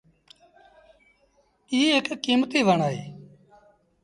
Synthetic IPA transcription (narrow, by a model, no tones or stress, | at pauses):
iːekkːiːmt̪iːʋəɳaːɦeː